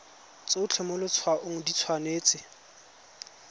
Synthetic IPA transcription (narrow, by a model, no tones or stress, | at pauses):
t͡seʊt͡ɬʰɛmʊlʊt͡sʰwaʔʊŋ̩dit͡sʰwaneːt͡sɪ